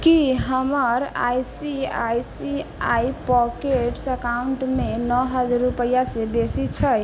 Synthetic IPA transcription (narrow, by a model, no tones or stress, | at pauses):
kiɦəməɾa̰jsia̰jsia̰ipɔkeʈsəkauɳʈmenɔɦəd͡ʒaɾɾupəjasebesit͡ʃʰəj